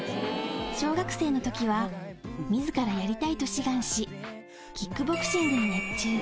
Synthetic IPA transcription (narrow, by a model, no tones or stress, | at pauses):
ɕo̞ːɡakɯ̟̥se̞ːno̞t̪o̞kʲiβamʲizɨkaɾajaɾʲit̪ait̪o̞ɕiɡãɰ̃ɕi | kʲikːɯ̟bo̞kɯ̟̥ɕĩnd̪eɲijat͡ɕɨː